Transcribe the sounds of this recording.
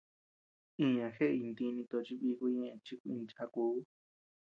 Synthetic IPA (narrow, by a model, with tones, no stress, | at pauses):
ĩ˧ɲã˨xe˦ʔi˧nd̪i˧nĩ˧t̪o˧t͡ʃi˦βi˧ku˧ɲẽ˦˧ẽ˧t͡ʃi˦ku˧ĩ˧nt͡ʃa˧ku˧˦